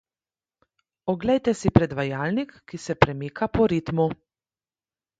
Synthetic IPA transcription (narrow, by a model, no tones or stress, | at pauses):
ɔɡlɛjt̪ɛsipɾɛd̪ʋajaːlnikːisɛpɾɛmiːkapɔɾit̪mu